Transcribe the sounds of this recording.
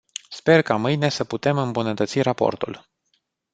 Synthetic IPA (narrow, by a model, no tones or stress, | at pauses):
spe̞rkamɨjne̞səput̪e̞mɨmbunət̪ət̪sirapo̞̰rt̪ṵl